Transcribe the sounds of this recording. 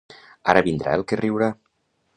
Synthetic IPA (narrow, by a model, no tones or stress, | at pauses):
a̰ɾəβind̪ɾʔa̰elˠkerʔiwɾa